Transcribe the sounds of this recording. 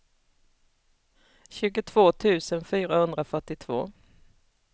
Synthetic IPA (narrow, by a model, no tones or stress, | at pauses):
ɕʉ̟ːɡʊt̪ʰv̥oːt̪ʰʉ̟ːsənfyːɾahɵnd̪ɾafœʈɪt̪ʰv̥o̰ː